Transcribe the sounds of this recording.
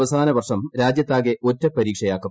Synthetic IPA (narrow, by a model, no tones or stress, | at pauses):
ʋɐsaːnɐʋɐrʂɐmɾaːd͡ʑjɐt̪ːaːɣeʔo̞tːɐpɐɾiːkʂɐjaːkːɐ